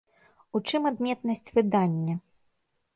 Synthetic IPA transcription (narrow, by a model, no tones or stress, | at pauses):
ut͡ʂɨmad̪mʲɛt̪nɐsʲt͡sʲvɨd̪anʲːɐ